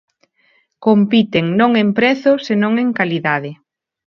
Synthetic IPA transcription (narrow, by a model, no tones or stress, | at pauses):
kompit̪eŋnõŋempɾɛθʊsenõŋeŋkaliðaðɪ